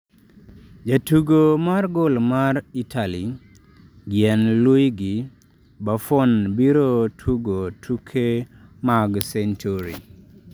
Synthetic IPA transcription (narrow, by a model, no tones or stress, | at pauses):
d͡ʒatuɡomarɡolmaritʰali | ɡjɛnlwujɡɪ | bafonbiɾotʰuɡotʰukʰemaɡsent͡ʃuɾḭ